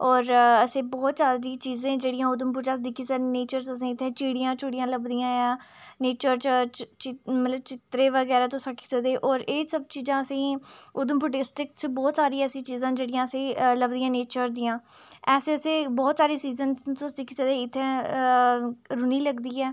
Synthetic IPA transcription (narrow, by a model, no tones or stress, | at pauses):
ɔːɾəsẽːbɔːt̪saːɾiːt͡ʃiːzẽːd͡ʒeːɽijãːʊd̪əmpʊt͡ʃaːsd̪ikʰːisəneːt͡ʃəɾsəs̬ĩːɪt̪ʰːẽːt͡ʃiːɽijãːt͡ʃʊɽijãːləbd̪ijãːjaːneːt͡ʃəɾt͡ʃt͡ʃt͡ʃɪmət̪ləb̚t͡ʃɪt̪ɾeːʋəɡɛːɾaːt̪õːsakʰɪ̥səd̪eːʔɔːɾeːsəb̚t͡ʃiːzãːəsĩːʊd̪əmpʊɖɪsʈɪkt͡ʃbɔːt̪saːɾiːɛːsĩːt͡ʃiːzãːd͡ʒeːɽɪjãːəsẽːləbd̪ijãːneːt͡ʃəɾd̪ijãːɛːseːəsẽːbɔːt̪saːɾiːsiːzənt̪õːsd̪ikʰisəd̪eːɪt̪ʰːɛ̃ː | ɾʊniːləɡd̪iːɛː